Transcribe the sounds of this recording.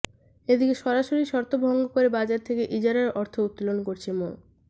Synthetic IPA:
ed̪ikeʃɔɾaʃoɾiʃɔɾt̪obʱɔŋɡokoɾebad͡ʑaɾt̪ʰekeʔid͡ʑaɾaɾɔɾt̪ʰout̪ːolonkoɾt͡ɕʰemon

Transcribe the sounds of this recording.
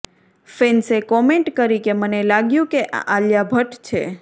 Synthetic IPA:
fensekɔmeɳʈkəɾikemənelaɡjũkeʔa̰ʔaljabʱəʈt͡ʃʰḛ

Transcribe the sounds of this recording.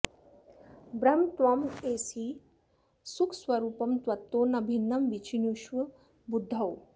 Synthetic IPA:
bɾɐmt̪ʋɐmeːsiː | sukʰswɐɾuːpɐmt̪ʋɐt̪ːoːnɐbʱinːɐmʋit͡ʃʰinjuʃʋɐ | bud̪ʱːɐw

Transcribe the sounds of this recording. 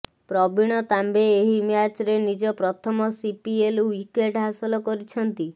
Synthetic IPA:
pɾɔbiɽ̃ɔt̪ambeːɦimjat͡ʃɾenid͡ʒɔpɾɔt̪ʰɔmɔsipielwikeʈɦasɔlɔkɔɾit͡ʃʰɔnt̪i

